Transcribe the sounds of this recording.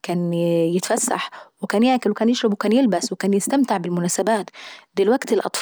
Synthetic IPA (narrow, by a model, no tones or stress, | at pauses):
kaːnjɪt̪ḁfasːa̰ħwɪkaːnjaʕkɪlwɪkaːnjɪʃɾɪbwɪkaːnjɪlbaswɪkaːnjɪst̪amt̪ɪʕbɪlmʊnaːsabaːt̪d̪ɪlwaɡt̪ɪlʔɑ̰t̪ˤf